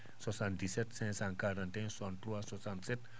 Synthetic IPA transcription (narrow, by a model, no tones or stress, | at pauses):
sɔsand̪isɛt̪̚sɛ̃saŋkaɾant̪ɛ̃ŋsɔnt̪uasɔsansɛt̪̚